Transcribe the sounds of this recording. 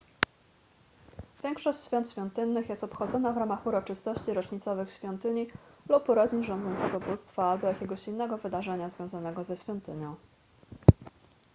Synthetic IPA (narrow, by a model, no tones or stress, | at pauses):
vʲjɛŋkʂɔɕt͡ɕɕfʲjɔnt̪ɕfʲɔ̃nt̪ɘnːɘxjɛst̪ɔpxɔd̪zɔnavɾamaxuɾɔt͡ʂɘst̪ɔɕt͡ɕiɾɔt͡ʂɲit̪sɔvɘxɕfʲɔnt̪ɘɲilupuɾɔd͡ʑinʐɔ̃nd̪zɔnt̪sɛɡɔbust̪faalbɔjakʲɛɡɔɕinːɛɡɔvɘd̪aʐɛɲazvʲjɔ̃zanɛɡɔzɛɕfʲjɔnt̪ɘɲɔ̃w̃